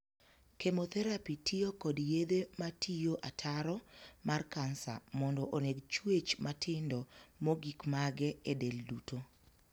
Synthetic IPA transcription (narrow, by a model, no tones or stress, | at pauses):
kemot̪ɛɾapitʰijokɔdjed̪ematʰijoʔatʰaɾɔmarkansa̰mɔndɔʔoneɡt͡ʃwet͡ʃmatʰɪndɔmoɡikmaɡɛɛdelduto